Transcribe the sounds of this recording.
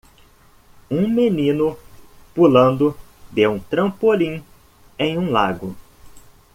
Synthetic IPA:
ũmenĩnʊpulɐ̃nd̪ʊd̪ewũt̪ɾɐ̃polĩ | ẽj̃ũla̰ɡʊ

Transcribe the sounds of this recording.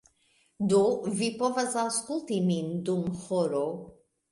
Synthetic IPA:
d̪ovipɔvazawskulˠt̪imind̪umhɔɾo

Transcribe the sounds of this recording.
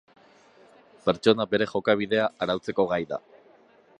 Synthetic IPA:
pe̞ɾt͡ʃo̞nabe̞ɾe̞xo̞kaβ̞iðe̞aʔaɾawt͡se̞ko̞ɣajða̰

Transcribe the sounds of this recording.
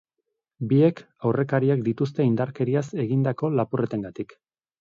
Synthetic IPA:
bie̞k | awre̞kaɾiak̚d̪it̪ust̪e̞ind̪aɾke̞ɾiase̞ɣind̪ako̞lapuret̪eŋɡat̪ik

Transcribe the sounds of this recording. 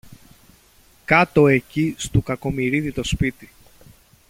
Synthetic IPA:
kɐt̪o̞e̞cist̪ukɐko̞miɾiðit̪o̞spit̪i

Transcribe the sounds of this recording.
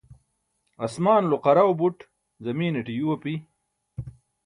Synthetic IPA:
ɐsmaːnloqɐɾawbuʈ | zɐmiːneʈijuwɐpi

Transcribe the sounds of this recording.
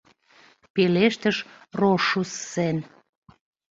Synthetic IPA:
peleʃt̪əʃ | roʃusːen

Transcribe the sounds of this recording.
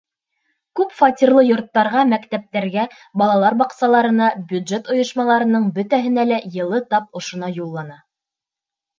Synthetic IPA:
kʉpfɑt̪ʲirlˠɤjŏɾt̪ːɑɾʁɑmækt̪æp̚t̪æɾɡæ | bɑlˠɑlˠɑɾbɑqsɑlˠɑɾɤ̆nɑbʲjʉd̪ʒet̪ŏjŏʃmɑlˠɑɾɤ̆nɤɴbɵ̆t̪æɦɘ̆nælæjɤ̆lˠɤt̪ɑp̚ŏʃŏnɑjulˠːɑnɑ

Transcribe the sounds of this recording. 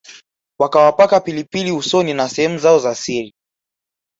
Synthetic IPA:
wakawapakapilipiliusɔninasɛhɛmuzaɔzasiɾi

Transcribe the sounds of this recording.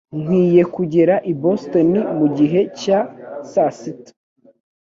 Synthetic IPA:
ŋ̥wiːje̞kuɟe̞ɾaʔibostonimuɟiɦe̞casasit

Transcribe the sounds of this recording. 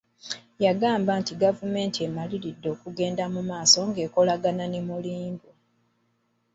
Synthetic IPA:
jaɡaːmbaːntiɡavume̞ːntie̞maliɾidːo̞ːkuɡe̞ːndamumaːso̞ŋɡe̞ːko̞laɡananemuliːmbu

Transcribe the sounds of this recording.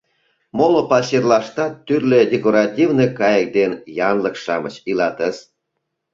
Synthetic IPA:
molopɑsʲerlɑʃt̪ɑt̪ːyrledʲekoɾɑtʲivnɤkɑjək̚d̪enjɑnləkʃɑmə̰t͡ɕilɑt̪əs

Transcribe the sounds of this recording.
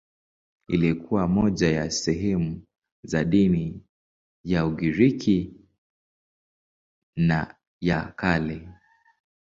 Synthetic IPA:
ḭlikʰuwamɔʄajasɛɦɛmu | zaɗini | jauɡiɾikʰi | na | jakali

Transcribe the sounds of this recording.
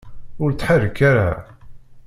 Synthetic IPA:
ʊɾt͡sːħarːəkːaɾa

